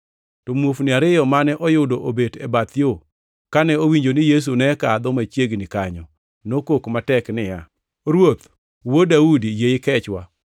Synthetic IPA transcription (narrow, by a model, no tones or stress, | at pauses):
tɔmwofnɪaɾɪjɔmanɛʔɔjʊdoʔobedɛbat̪ɪo | kanɛowiɲd͡ʒonɪjes̬unɛkad̪ɔmat͡ʃjeɡnɪkaɲɔ | nokokmatɛknɪja | ɾwot̪ | wodaudijejɪkɛt͡ʃwa̰